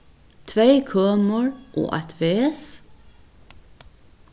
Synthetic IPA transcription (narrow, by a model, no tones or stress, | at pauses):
t̪ʰʋeɪkʰœːməɹʔo̰ːʔæt̪ʰʋeːɛs